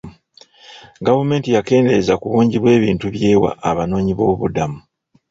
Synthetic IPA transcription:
ɡavume̞ːntijake̞ːnde̞ɾezakuβuːɲɟiβwe̞ːβiːntuβje̞ːwa̰ʔaβano̞ːɲiβo̞ːβṵdamu

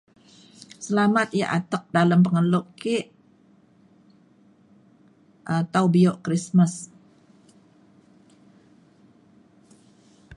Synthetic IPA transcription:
səlamat̪̚ija̰ʔat̪ək̚daləmpəŋəlʊʔkeʔ | ʔat̪awbioʔkɾisməs

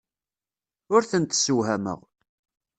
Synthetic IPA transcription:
ʊɾθənt̪suwɦæmə̰ʁ

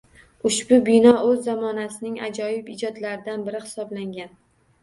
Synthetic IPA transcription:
ʊʃbʊbɪnɒɵzːamɒnasɪnɪŋa̰d͡ʒɒjɪpɪd͡ʒɒd̪laɾɪd̪anbɪɾɪhɪ̥sɒblaŋɡʲan

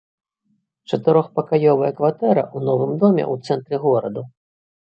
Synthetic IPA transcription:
t͡ʂɐt̪ɨɾɔxpɐkajɔvɐjɐkvat̪ɛɾɐ̰ʔunɔvɨmd̪ɔmʲɛ̰ut̪sɛnt̪ɾɨɣɔɾɐd̪u

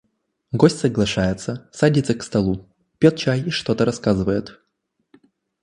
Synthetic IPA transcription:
ɡosʲtʲsəɡlˠɐʂajɪt̪səsadʲit̪səkst̪ɐlˠu | pʲet̪̚t͡ɕajɪʂt̪ot̪əɾɐskazɨvəjɪt̪

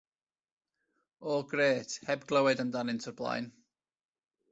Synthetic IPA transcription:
ɔɡreːtʰhɛbɡlˠəwɛdəndanɪntʰərblˠa̰jn

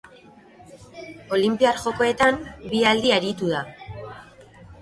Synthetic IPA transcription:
o̞limpiaɾʝo̞ko̞e̞t̪ambiald̪iaɾit̪uða

